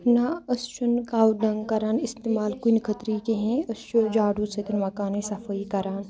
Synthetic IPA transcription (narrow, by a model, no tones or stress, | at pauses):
naɐst͡ʃɐnkaːwɖɐŋɡkɐɾaːnist̪eːmaːlkunkʰɐt̪ɾikeɦẽɐst͡ʃod͡ʒaːɖusɐt̪inmɐkaːnisɐfʰɐikɐɾaːn